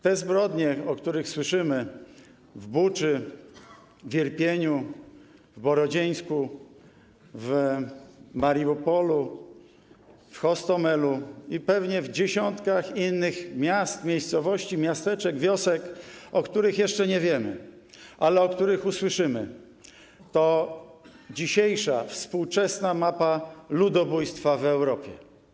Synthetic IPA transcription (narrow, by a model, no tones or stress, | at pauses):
t̪ɛzbɾɔd̪ɲɛɔkt̪uɾɘxswɘʂɘmɘ | vbut͡ʂɘ | vʲjɛɾpʲjeɲu | vbɔɾɔd͡ʑej̃sku | v | maɾiupɔlu | fxɔst̪ɔmɛluipɛvɲɛvd͡ʑeɕɔnt̪kaxinːɘxmʲjast̪mʲejst̪sɔvɔɕt͡ɕimʲjast̪ɛt͡ʂɛɡvʲjɔsɛkɔkt̪uɾɘxjɛʂt͡ʂɛɲɛvʲjɛmɘ̰ | ʔalɛɔkt̪uɾɘxuswɘʂɘmɘ | t̪ɔ | d͡ʑiɕejʂafspuwt͡ʂɛsnamapalud̪ɔbujst̪favɛwɾɔpʲjɛ̰